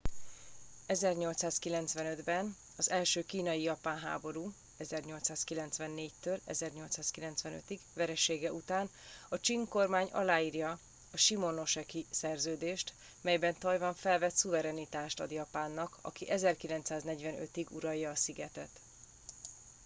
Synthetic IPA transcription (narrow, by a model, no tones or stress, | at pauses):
ɛzɛrɲo̞lt̪saːskilɛnt̪svɛnø̞d̪bɛn | ɒzɛlʃøːkiːnɒjijɒpaːnɦa̰ːbo̞ɾuː | ɛzɛrɲo̞lt̪saːskilɛnt̪svɛnːeːct̪øːlɛ̰zɛrɲo̞lt̪saːskilɛnt̪sʋɛnø̰t̪iɡvɛɾɛʃeːɡɛʔut̪aːn | ɒt͡ʃiŋko̞rmaːɲɒ̰laːiːrjɒ | ɒʃimo̞no̞ʃɛkisɛrzøːd̪eːʃt̪ | mɛjbɛnt̪ɒjvɒɱfɛlvɛt̪suvɛɾɛnit̪aːʃt̪ɒ̰d̪jɒpaːnːɒkʰɒ̰kiʔɛzɛrkilɛnt̪saːznɛɟvɛnø̰t̪iɡṵɾɒjːɒːsiɡɛt̪ɛt̪